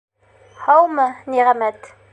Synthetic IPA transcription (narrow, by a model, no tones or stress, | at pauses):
hɑwmɤniʁæmæt̪